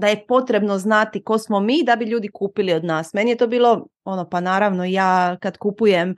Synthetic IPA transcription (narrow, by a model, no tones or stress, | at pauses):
d̪aje̞po̞t̪ɾe̞bno̞znat̪iko̞smomiːd̪abiʎuːd̪ikuːpilio̞d̪naːsme̞nije̞t̪obiːlˠo̞ | o̞nopanaːɾaʋno̞ijaːkad̪kupujem